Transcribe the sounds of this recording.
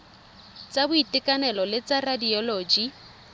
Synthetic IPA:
t͡sʼabʊitɪkʼanɛlɔlɪt͡sʼaradiɔloːd͡ʒi

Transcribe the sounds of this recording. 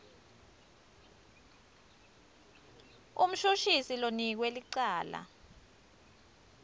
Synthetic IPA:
ṵm̩ʃuʃisilonik̬weliǀaːla̰

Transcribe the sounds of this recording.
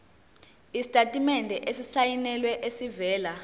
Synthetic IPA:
isi̥tʼatʼimɛndʱɛʔesisajinɛlwɛʔesivɛːla

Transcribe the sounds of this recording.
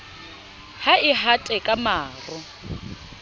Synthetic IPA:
haɪɦatʼɛkʼamaːrʊ

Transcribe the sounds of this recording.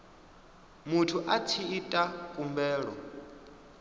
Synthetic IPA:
mutʰuʔat͡sʰiːtʼakʼumbɛːɺɔ̰

